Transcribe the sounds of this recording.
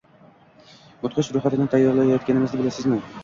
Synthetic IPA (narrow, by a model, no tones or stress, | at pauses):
mʊt̪qʰɨʃɾʊχat̪ɪnɪt̪ʰajːɒɾlˠajjɒt̪kʲanɪmɪzd̪ɪbɪlasɪzmɪ